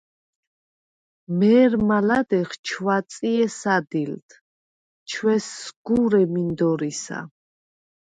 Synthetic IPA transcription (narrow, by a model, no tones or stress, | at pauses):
mɛːɾmalad̪ɛχt͡ʃʰwat̪sʼiɛsad̪ilt̪ʰ | t͡ʃʰwɛsːɡ̥uɾɛmind̪ɔɾisa̰